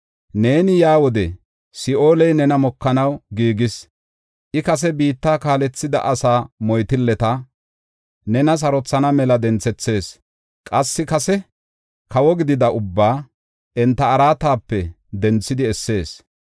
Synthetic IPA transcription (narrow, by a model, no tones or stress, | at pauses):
ne̞ːnɪjaːwɔd̪ɛ | sɪʔo̞ːlɛjnɛnɐmɔkːɐnɐwɡiːɡɪs | ʔɪkɐs̬ɛbiːt̪ːaːkaːlɛt͡sːɪd̪ɐ̰ʔɐsaːmɔjt̪ɪlːɛt̪ɐ | nɛnɐs̬ɐɾɔt͡sːɐnɐmɛlɐd̪ɛnt͡sːɛt͡sːe̞ːs | kʼɐsːɪkɐsɛ | kɐwɔɡɪd̪ɪd̪ɐʊbːaː | ɛnt̪ːɐːɾaːt̪aːpːɛ | d̪ɛnt͡sːɪd̪ɪɛsːe̞ːs